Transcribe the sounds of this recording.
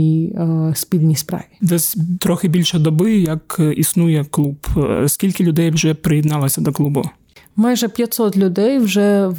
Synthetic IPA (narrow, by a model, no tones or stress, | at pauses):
ispʲid̪ʲnʲijspɾɑ̰ʋʲid̪ɛsʲt̪ɾɔxɪbʲilʲʃɐd̪ɔbɪjɐkisnujɛklˠupskʲilʲkɪlʲʊd̪ɛjwʒɛpɾɪjɛd̪nɑlˠɐsʲɐd̪ɔklˠubʊ | mɑjʒɛpʲjɐt̪sɔt̪lʲʊd̪ɛjwʒɛ